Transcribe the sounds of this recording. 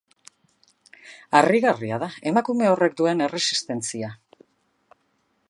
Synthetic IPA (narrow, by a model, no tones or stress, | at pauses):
ariɣariað̞ae̞makume̞o̞re̞kd̪ue̞ne̞re̞si̥st̪e̞nt͡sia